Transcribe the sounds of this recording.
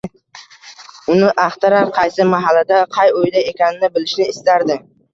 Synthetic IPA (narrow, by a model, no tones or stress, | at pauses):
ʊnɪʔaχt̪ʰaɾaɾqʰɑjsɪmaɦalːad̪aqʰɑjojd̪ae̞kʲanɪnɪbɪlɪʃnɪːst̪aɾd̪ɪ